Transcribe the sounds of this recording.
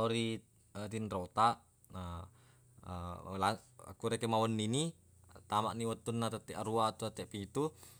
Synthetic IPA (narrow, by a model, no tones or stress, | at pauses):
oɾi | ət̪inɾot̪aʔ | a | laa̰kuɾekemawənːini | t̪amaʔniwət̪unːat̪ət̪ɛʔaɾuat̪uat̪ɛʔpit̪u